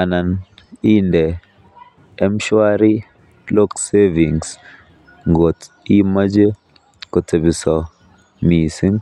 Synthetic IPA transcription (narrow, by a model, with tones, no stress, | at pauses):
a˨na˨n | i˦ndɛ˨˦ | m̩˦ʃwa˦ɾi˦ | lo˦kse˦vi˨ŋs | ŋɡo˨t | i˦ma˦d͡ʒe˦ | kɔ˨te˨bi˨sɔ˨ | mi˨si˦ŋ